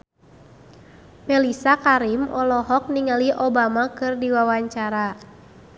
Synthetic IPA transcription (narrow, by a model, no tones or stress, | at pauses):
mɛlisakaɾimɔlɔɦɔk̚niŋaliʔobamakɨrdiwawaɲt͡ʃaɾa